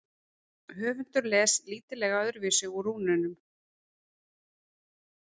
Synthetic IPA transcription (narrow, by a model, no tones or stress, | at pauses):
hœːvʏn̥t̪ʏɾlɛːsliːt̪ɪlɛːɣaœðʏɾvɪsɪɣuɾuːnʏnʏm